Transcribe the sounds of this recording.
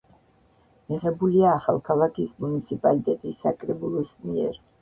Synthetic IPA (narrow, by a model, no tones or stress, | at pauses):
miʁɛbuliaːχa̰lˠkʰalˠakʰismunit̪sʰipʼalit̪ʼɛt̪ʼisːakʼɾɛbulˠɔsmiɛ̰ɾ